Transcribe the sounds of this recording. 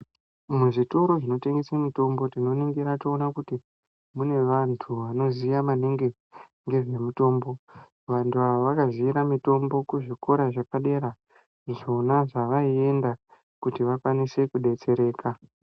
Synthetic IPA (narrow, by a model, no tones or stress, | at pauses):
muʐitoɾo̞ʐino̞te̞ŋɡesemito̞mbo̞tino̞niŋɡiɾatoːnakuti | mune̞ʋantʰuʋano̞zijamaneŋɡe | ŋɡe̞ʐe̞mito̞ːmbo̞ | ʋantʰuaʋoʋakaziiɾamito̞mbo̞kuʐiko̞ɾaʐakaɗe̞ɾa | ʐo̞naʐaʋaie̞nda | kutiʋakwanise̞kuɗe̞t͡se̞ɾe̞ːka